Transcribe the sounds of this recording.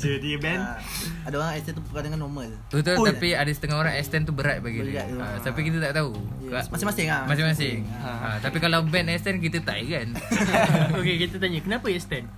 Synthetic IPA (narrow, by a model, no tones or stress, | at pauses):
sədiəbɛn | adaoɾaŋɛst̪ɛnt̪upəkadaŋanːɔməl | ut̪uapiadasə̥t̪əŋaoɾaŋɛst̪ɛnt̪ubəɾat̪̚baɡinat̪apikit̪̬at̪aʔt̪aukamasɪ̃ŋmasɪŋamas̬ɪŋmasɪŋ | at̪apikalawbɛnɛst̪ɛnk̬it̪ət̪a̰ikan | okekit̪ət̪̬aɲəkənapaɛst̪ɛn